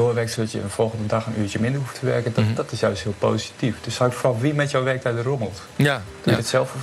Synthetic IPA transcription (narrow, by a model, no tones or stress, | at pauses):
oːʋɛɹktstjə̰ənfɔlˠɣəndədaxəny̰ːt͡ʃəmɪndərɦuftʰəʋɛrkənd̥ɔtɪsjœɥstɦɪəlˠpoːsi̥tifd̥øshawɪkfrɔlˠʋimɛtjowʋɛɹk̚tɛjdəroməlˠt | d̥ətsɛlˠfə